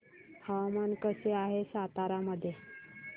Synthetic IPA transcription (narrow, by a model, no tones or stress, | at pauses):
haʋmankəseaɦesat̪aɾaməd̪ʱːje